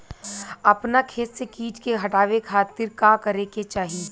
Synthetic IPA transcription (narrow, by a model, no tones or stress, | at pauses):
ɐpnakʰeːssekiːt͡ʃkeɦɐʈaːʋekʰaːt̪ɪɾkakɐɾeket͡ʃaːɦi